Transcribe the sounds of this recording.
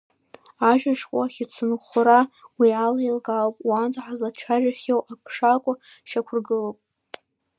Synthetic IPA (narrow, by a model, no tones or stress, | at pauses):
aʒᶣaʃkʷʼaχʲɪt͡sʰɨnχʷɾawialailɡalpʼwand͡zʼħazat͡ʃʷʰaʒᶣaχʲewʔakʰʂakʷʼʊ | ʃakʷʰʊrɡɨlopʼ